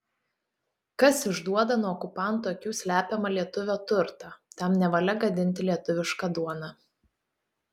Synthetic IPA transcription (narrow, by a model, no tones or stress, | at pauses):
kɐsɪʒd̪uɔd̪ɐnuɔɔkʊpɐnt̪oːkʲuːsʲlʲæːpʲɛmɐlʲiɛt̪ʊʋʲoːt̪ʊɾt̪ɑt̪ʲɛmnʲɛʋɐlʲɛɡɐd̪ʲɪnʲt̪ʲɪlʲiɛt̪ʊʋʲɪʃkɑd̪uɔnɑ